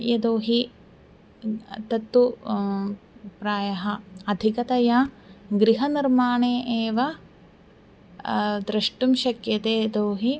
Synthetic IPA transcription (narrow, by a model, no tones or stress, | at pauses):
jɐd̪oːɦi | t̪ɐt̪ːu | pɾaːjɐɦɐɐd̪ʱikɐt̪ɐja | ɡɾiɦɐniɾmaːɳeːʔeːʋɐ | d̪ɾɐʂʈumʃɐkjɐt̪eːd̪oːɦi